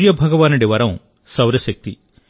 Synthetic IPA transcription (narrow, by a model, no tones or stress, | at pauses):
ɾjɐbʱɐɡɐʋaːnuɽiʋɐːɾɐm | sɐwɾɐʃɐk̚t̪i